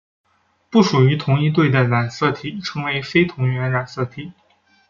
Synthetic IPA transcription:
pu˥˩ʂu˨˩y˧˥t̪ʰʊ˧˥ŋi˥˧t̪we˥˩ɪd̪ə˩la˨˩nsɤ˥˩t̪ʰi˨˩ʈ͡ʂʰɤ˧˥ŋwe˧˥ɪfe˥ɪt̪ʰʊ˧˥ŋɥɛ˧˥nla˨˩nsɤ˥˩t̪ʰi˨˩˦

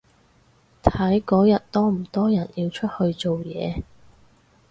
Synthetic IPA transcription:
t̪ʰɐ˨˥jkɔː˨˥jɐ˨t̚t̪ɔː˥m̩˨˩t̪ɔː˥jɐ˨˩njiː˧wt͡ʃʰɵ˥t̚hɵ˧ɥt͡so˨wjɛ̰ː˨˧

